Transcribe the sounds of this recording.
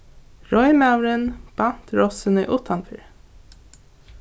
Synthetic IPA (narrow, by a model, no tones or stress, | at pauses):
ɹɔʏmɑʉɹənb̥ɑnt̪ɹɔsənəʔʊt̪ʰɑnfɪ̰ɹ